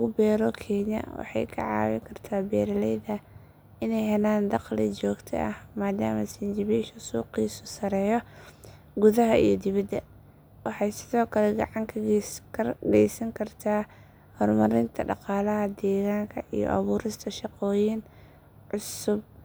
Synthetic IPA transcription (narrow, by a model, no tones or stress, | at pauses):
ɣʊbɛːɾɔkʰɛːɲɐ̰wɑ̰ħɑ̰jkʰɐ̰ʕɑ̰ːwɪ̰ŋkʰɐrt̪ʰaːbɛːɾɐlɛjðɐ | ɪnɛjɦɛnaːnd̪ɑqlɪ̰t͡ʃɔːɡt̪ʰɐ̰ʔɐ̰hmaːd̪a̰ːmɐsɪnd͡ʒɪβɛʃɐsuːqiːsʊsɐɾɛːjɔ | ɡʊðɐɦɐʔijɔd̪ɪβɐd̪ːɐ | wɑħɑjsɪðɔːkʰɐlɛɡɑʕɑŋkʰɐɡʰɐɡɛ̰jsɐŋkʰɐrt̪ʰaː | hɔrmɐɾɪnt̪ʰɐɖɑ̰qɑːlɐɦɐd̪ɛːɣaːŋkʰɐʔijɔ̰ʔɐβuːɾɪst̪ʰɐʃɑqɔːjin | ʕʊsʊb̚